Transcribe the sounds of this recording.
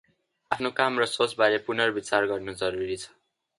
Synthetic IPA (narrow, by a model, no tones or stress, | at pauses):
apʰnokamrʌsot͡sbaɾepunʌrbit͡sarɡʌrnod͡zʌɾuɾit͡sʰʌ̥